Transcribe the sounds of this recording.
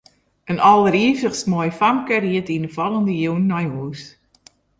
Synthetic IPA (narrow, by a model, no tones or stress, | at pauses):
ənɔlˠəɾiəfəxsmɔjfamkəriətinəfɔlˠəndəjuwnːɔjuːs